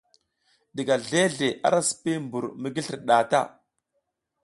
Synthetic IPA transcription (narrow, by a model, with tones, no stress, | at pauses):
ɗi˨ɡa˨ɮe˦ɮe˨ʔa̰˦ɾa˦si̥˨pi˦mbu˨ɾmi˦ɡi˦ɬi˨ɾɗa˨ta̰˦˨